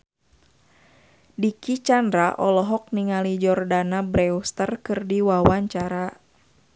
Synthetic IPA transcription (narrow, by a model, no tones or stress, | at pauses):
dikit͡ʃandɾaʔɔlɔɦɔk̚niŋalid͡ʒɔrdanabɾɛust̪ərkɨrdiwawaɲt͡ʃaɾa